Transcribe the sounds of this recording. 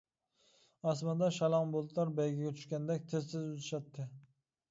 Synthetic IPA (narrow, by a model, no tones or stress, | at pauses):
ɑsmɑnd̪ɑʃɑlˠɑmbolˠt̪lˠɑɾbɛjɡʲɛɡʲɛt͡ʃ̪ʰy̥ʃkʲɛnd̪ɛkʲt̪ʰɪzsɪzut̪ʰɪʃɑt̪ʰːɨ